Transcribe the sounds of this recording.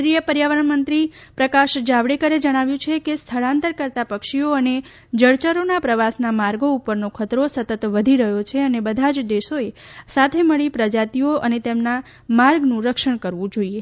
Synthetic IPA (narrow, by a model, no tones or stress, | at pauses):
ɾijəpəɾjaʋəɾəɳmənt̪ɾi | pɾəkaʃd͡ʒaʋɽekəɾed͡ʒəɽ̃aʋjũt͡ʃʰekest̪ʰəɭãnt̪əɾkəɾt̪apəkʃioəne | d͡ʒəɭt͡ʃəɾonapɾəʋasnamaɾɡoupəɾnokʰət̪ɾosət̪ət̪ʋəd̪ʱiɾəɦjot͡ʃʰeənebəd̪ʱad͡ʒd̪eʃoesat̪ʰeməɭipɾəd͡ʒat̪ioʔənet̪emna | maɾɡnũɾəkʃəɳ̃kəɾʋũd͡ʒoie